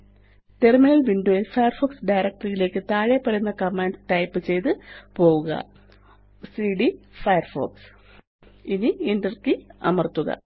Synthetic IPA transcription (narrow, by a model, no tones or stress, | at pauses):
te̞rminɐlʋiɳɖoːjilfɐjɐrfoːksɖɐjɾek̚ʈɐrjile̞ːkːɨt̪aːɻepːɐɾɐnːɐkɐmːaːnʈɐjpːɨt͡ɕe̞jt̪ɨpo̞ːɣuɣɐ̰ | siːɖifɐjɐrfo̰ːks | iniendɐrkiɐ̰mɐrt̪ːuɣɐ̰